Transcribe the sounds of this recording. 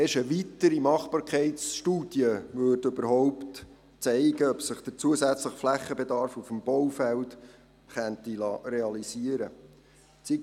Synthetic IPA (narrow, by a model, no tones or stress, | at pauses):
ɛʃəʋitəɾimɑχpɑːɾkʰɛɪtsʃtuːd̥jəʋøːrdɵbəɾɦɔʊpt | t͡sɛɪɡəœpsəχd̥əɾt͡suəsæt͡sləχflæχːəbed̪ɑɾfufəmbɔwfælt | χæntilɑreɑlisiəɾə | t͡si